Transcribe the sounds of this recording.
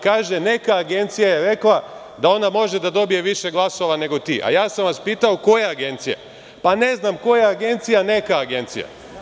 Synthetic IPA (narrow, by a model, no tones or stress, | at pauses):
kaːʒe̞ne̞kaːɡe̞nt̪sijajeɾe̞klˠa | d̪ao̞namo̞ʒe̞d̪ad̪o̞bije̞ʋiʃe̞ɡlˠaso̞ʋane̞ɡo̞t̪ḭːʔa̰jaːsamʋaspiːt̪ao̞ko̞jeaɡe̞nt̪sijḛ | pane̞znamko̞jeaɡe̞nt̪sijane̞kaːɡe̞nt̪sḭja̰